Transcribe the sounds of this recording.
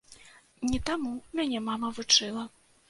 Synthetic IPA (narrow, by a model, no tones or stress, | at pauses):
nʲit̪amumʲanʲɛmamɐvut͡ʂɨlˠɐ